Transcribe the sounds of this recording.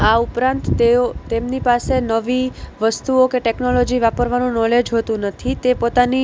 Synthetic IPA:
aupɾãnt̪eot̪emnipasenəʋiʋəst̪uokeʈeknɔlɔd͡ʒiʋapəɾʋanũnɔled͡ʒɦot̪ũnət̪ʰit̪epot̪ani

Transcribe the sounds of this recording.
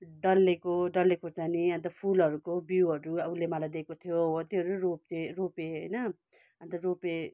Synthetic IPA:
ɖʌlːekoɖʌlekot͡saniʌnt̪̬ʌpʰulʌɾukobiwɦʌɾuʌulemalajd̪ekot̪ʰijot̪jeɦʌɾuɾop̚t͡sʌj̃ropeɦʌjnʌ | ʌ̃nt̪ʌrope

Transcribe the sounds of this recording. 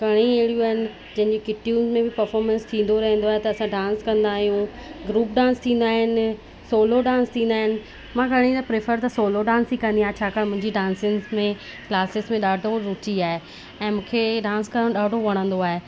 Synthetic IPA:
ɡʱɐɽ̃ieɪɽijuaːɦɪnɪ̆ | d͡ʑɐ̃ɦɪ̃ɲd͡ʑekɪʈijũːzmẽbɪpɐɾfɔːɾmə̃nst̪ʰĩːn̆d̪oɾɐɦə̃n̆d̪oaːɦet̪ɐɐsãɖãːnskɐ̃nd̪aːɦijũɡɾuːpɖãːnst̪ʰĩːn̆d̪aːɦɪnɪ | soːloɖãːnst̪ʰĩːn̆d̪aːɦɪnɪ̆ | mãɡʱɐɽ̃ĩt̪ɐpɾefəɾt̪ɐsoːloɖãːnsikɐ̃nd̪iaːɦet͡ɕʰaːkaːmʊ̃ɦɪ̃ɲd͡ʑiɖãːnsɪ̃ŋzmẽ | klaːsɪzmẽɗaːɖʱoɾʊt͡ɕiaːɦe | ɛ̃ːmũːkʰeɖãːnskɐɽə̃ɗaːɖʱoʋɐɽ̃ə̃nd̪oaːɦe

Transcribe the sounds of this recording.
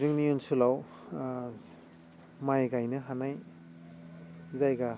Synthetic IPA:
ɾɯŋniunsulaw | majɡajnɯɦanaj | zajɡa

